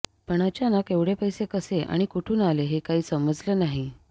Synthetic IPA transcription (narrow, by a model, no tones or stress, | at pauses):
pəɳ̃at͡ɕjanakeʋɽepəjsekəseʔa̰ɽ̃ikuʈʰuːnaleɦekaɦiːsəməd͡zləːnaɦi